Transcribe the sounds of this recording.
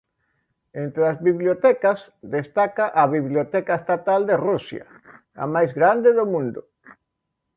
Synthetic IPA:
ent̪ɾeɐzβiβljot̪ɛkas | d̪est̪akaʔɐβiβljot̪ɛkaest̪at̪ald̪erusjɐ̰ | a̰majzɣɾand̪eðomũnd̪ʊ

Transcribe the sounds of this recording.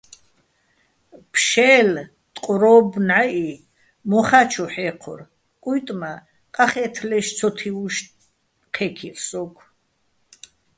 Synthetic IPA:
pʰʃɛːl | t̪ʼqʼɾɔbnʕaʔi | mɔχat͡ʃʰɔħɛqʰɔ̰ɾ | kʼujt̪ʼma | qʼaχɛt̪ʰlɛʃt͡sʰɔt̪ʰiuʃ | qʰɛkʰiɾsɔkʰ

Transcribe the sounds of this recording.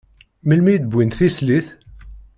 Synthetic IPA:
məlmid̪̚bwinθisliθ

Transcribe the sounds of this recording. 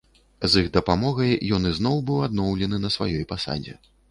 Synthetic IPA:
ziɣd̪ɐpamɔɣɐjjɔnɨznɔwbɨwad̪̚nɔwlʲɛnɨnɐsva̰jɔjpasa̰d͡zʲɛ̰

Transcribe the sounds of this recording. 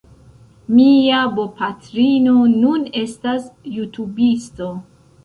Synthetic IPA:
miabopatɾino̞nune̞stasjutʰubisto̞

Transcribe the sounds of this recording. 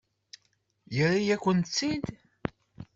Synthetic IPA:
jərːijækʷːənt͡sːind̪

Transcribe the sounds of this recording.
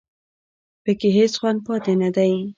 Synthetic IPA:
pəkeɦesxwand̪̚pɑt̪enad̪aj

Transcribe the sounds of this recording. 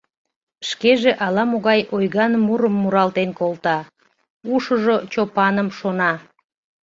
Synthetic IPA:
ʃkeʒeʔɑlɑmoɣɑjʔojɣɑnːuɾəmːuɾɑlt̪enkolt̪ɑ | uʃəʒot͡ɕopɑnəmʃonɑ

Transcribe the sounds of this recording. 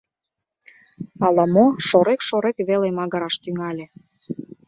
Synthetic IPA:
ɑlɑmoʃoɾekʃoɾekβelemɑɣɤ̆ɾɑʃt̪yŋɑlʲĕ

